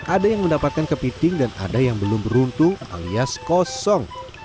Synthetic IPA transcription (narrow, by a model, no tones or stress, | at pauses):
ʔadajaŋməndapat̪̚kankəpitɪŋdana̰dajaŋbəlʊmbəɾunt̪ʊŋa̰liaskɔsɔŋ